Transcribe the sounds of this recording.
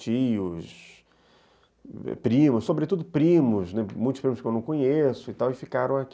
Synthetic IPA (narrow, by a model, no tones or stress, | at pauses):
t͡ʃijʊs | ɛ̰pɾĩmʊssobɾet̪ud̪ʊpɾĩmʊznɛmũjt̪ʊ̥spɾĩmʊskewnɐ̃w̃kõɲesʊɪt̪awɪfikaɾɐ̃w̃ak